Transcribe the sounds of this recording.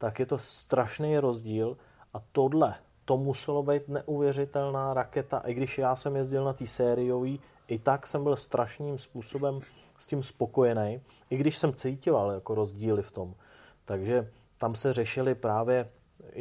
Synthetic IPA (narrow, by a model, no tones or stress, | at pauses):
t̪akjɛt̪o̞st̪ɾaʃnejɾo̞zɟiːl | ʔat̪o̞dlɛ | t̪o̞musɛlo̞bɛjt̪nɛʔuvjɛrɪt̪ɛlnaːɾakɛt̪a̰ʔɪɡdɪʃjaːsɛmjɛzɟɪlnat̪iːsɛːɾɪjo̞viː | ʔɪt̪aksɛmbɪlst̪ɾʔaʃniːmspuːso̞bɛm | scɪmspo̞ko̞jɛnɛj | ʔɪɡdɪʃsɛmt͡sejcɪvaljako̞ɾo̞zɟiːlɪft̪o̞m | t̪aɡʒɛ | t̪amsɛrɛʃɪlɪpɾaːvjɛ